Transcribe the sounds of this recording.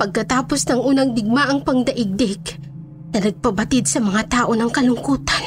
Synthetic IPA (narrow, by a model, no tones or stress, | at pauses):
pɐɡ̚kɐt̪aːpo̞snɐŋʔuːnɐŋd̪ɪɡ̚maʔɐŋpɐŋd̪ɐʔɪɡ̚d̪ɪk | nɐnɐɡ̚pɐbɐt̪id̪̚sɐmɐŋat̪aːʔo̞nɐŋkɐlʊŋkuːt̪an